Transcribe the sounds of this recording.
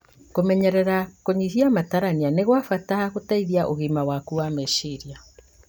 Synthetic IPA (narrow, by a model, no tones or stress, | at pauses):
komɛɲɛɾɛɾakoɲihiamataɾanianeɣwafatahaɣotaiðiaʔoɣimawakuwamɛʃiɾia